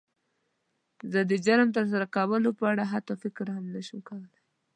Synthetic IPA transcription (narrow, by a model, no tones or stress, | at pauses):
zəd̪əd͡ʒaɾmt̪əɾs̬aɾakawəlopəaɽaɦat̪afɪkɾhamnaʃumkawəlaj